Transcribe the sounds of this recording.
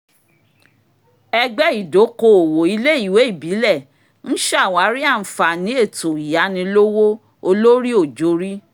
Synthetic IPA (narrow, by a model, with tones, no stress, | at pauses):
ɛ˧ɡ͡bɛ˦i˦˨do˨˦ko˧o˨wo˨i˧le˦i˦˨we˨˦i˦˨bi˨˦lɛ˦˨ | ñ̩˦ʃa˦˨wa˨˦ɾi˦a˦˨n̩˨fa˨nĩ˨˦e˦˨to˨i˨ja˨˦nĩ˧lo˦wo˦ | o˧lo˦ɾi˦o˦˨d͡ʒo˨˧˦ɾi˦